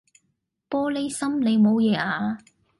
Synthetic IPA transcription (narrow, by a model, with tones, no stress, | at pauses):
pɔː˥le˥jsɐ˥mle˨˧jmo˨˧wjɛː˨˧ʔaː˧